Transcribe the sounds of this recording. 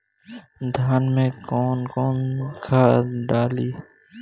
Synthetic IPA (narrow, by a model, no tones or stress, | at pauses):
d̪ʱaːnmẽːkoːnkoːnkʰaːɖaːliː